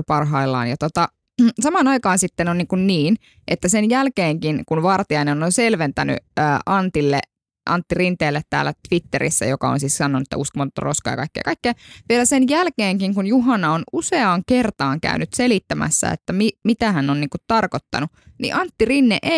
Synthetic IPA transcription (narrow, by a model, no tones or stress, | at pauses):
pɑrɦɑilːɑ̰ːnjɑt̪ot̪ɑ | sɑmɑːnɑikɑːnsit̪ːenonniːŋkunniːn | ʔet̪ːæsenjælkeːŋkinkunʋɑrt̪iɑinenononselʋent̪æny̰əːʔɑnt̪ilːe | ʔɑ̰nt̪ːirint̪eːlːet̪tæ̰ːlːæt̪ʋit̪ːḛɾḭsːæ̰jokɑo̰nsiːssɑnːonuet̪ːæ̰ʔuskomɑt̪t̪ːɑ̰roskɑ̰jɑ̰kɑikːḛjɑkɑikːeːʋielæsenjælkeːŋkiŋkunjuɦɑnɑonuseɑŋkert̪ɑːŋkæ̰ynyt̪selit̪ːæmæ̰sːæ̰ḛt̪ːæmimit̪æhænːonniːŋkut̪t̪ɑrkot̪ːɑ̰nu | nḭʔɑnt̪ːirinːeʔe